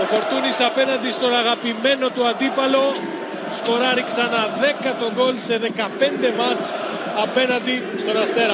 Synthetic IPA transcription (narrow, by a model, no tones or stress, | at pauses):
ofo̞ɾt̪unisɐpe̞nɐnd̪ist̪o̞nɐɣɐpime̞no̞t̪uɐnd̪ipɐlo̞ | sko̞ɾɐɾiksɐnɐðe̞kɐt̪o̞ɡo̞lse̞ðe̞kɐpe̞nd̪e̞mɐt͡s | ɐpe̞nɐnd̪i | st̪o̞nɐst̪e̞ɾɐ